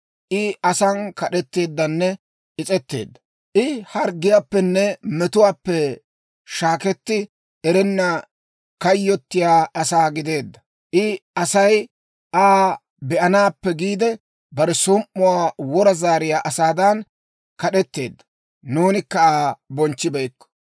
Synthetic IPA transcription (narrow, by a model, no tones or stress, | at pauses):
ʔɪɐsɐnkɐɗɛt̪ːe̞ːd̪ːɐnːɛ | ɪt͡sʼɛt̪ːe̞̰ːd̪ːɐ | ʔɪhɐɾɡɪjaːpːɛnːɛmɛt̪ʊwaːpːɛ | ʃaːkɛt̪ːɪ | ɛɾɛnːɐ | kɐjːɔt̪ːɪjaːɐsaːɡɪd̪e̞ːd̪ːɐ | ʔɪɐsɐj | ʔaː | bɛʔɐnaːpːɛɡiːd̪ɛ | bɐɾɛsʊmʔːʊwaːwɔɾɐzaːɾɪjaːʔɐsaːd̪ɐn | kɐɗɛt̪ːe̞̰ːd̪ːɐ̥ | nuːnɪkːɐaːbɔnt͡ʃːɪbɛjkːɔ̥